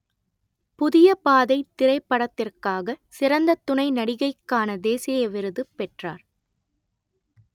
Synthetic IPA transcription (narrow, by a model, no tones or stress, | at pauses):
pʊðɪjɐpaːðɐɪt̪ːɪɾɐɪpːɐɽɐt̪ːɪrkaːɣɐsɪɾɐnd̪ɐt̪ːʊɳɐɪnɐɽɪɣɐɪkːaːnɐd̪eːsɪjɐʋɪɾɯðɯpːɛʈraːɾ